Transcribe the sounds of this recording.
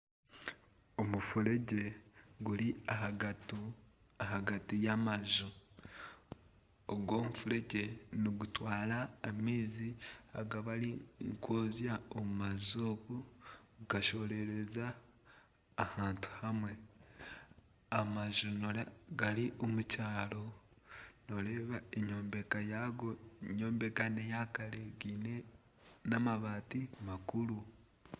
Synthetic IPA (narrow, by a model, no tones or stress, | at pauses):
omufuɾeɟe̞ɡuliahaɡatu | ahaɡatijamaʒu | oɡwo̞ːmufuɾe̞ɟe̞niɡutwaːlaːmiːziaɡaβaɾiŋkwoːzjaomumazokuɡ̥aʃo̞ɾe̞ɾe̞zaː | haːntu̥hamwe̞ | amaʒunoɡaɾiʔomucaːlo̞ | noɾe̞ːβaeɲo̞ːmbekajaɡo̞eɲo̞ːmbe̞kanejakaleɡiːne | namaβaːtimakuɾu